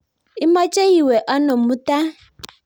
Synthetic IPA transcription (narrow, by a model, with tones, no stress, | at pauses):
i˦mɔ˦t͡ʃe˦ji˨we˨ʔɔ˦nɔ˨mu˦ta˦